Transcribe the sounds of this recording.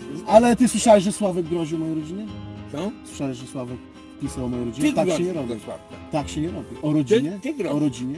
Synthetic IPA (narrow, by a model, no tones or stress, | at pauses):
alɛt̪ɘswɘʂawɛʃʐɛswavɛɡɡɾɔʑiwɔmɔjɔ̃wɾɔd͡ʑinɛɔswɨ̥ʂawɛʒʐɛswavɛk | pʲisawɔmɔjɔ̃wɾɔd͡ʑinɛt̪akkɛɲɛɾɔbʲiat̪akɕɛɲɛɾɔbʲiʔɔɾɔd͡ʑiɲɛɾɔɾɔd͡ʑiɲɛ